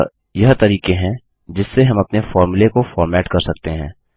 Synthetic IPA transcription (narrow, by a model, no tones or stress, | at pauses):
jɐɦt̪ɐɾiːkẽɦɛ̃ | d͡ʒɪsːeɦɐ̃mɐpnefɔːɾmʊlekofɔːɾmɛːʈkɐɾsɐk̚t̪eɦɛ̰̃ː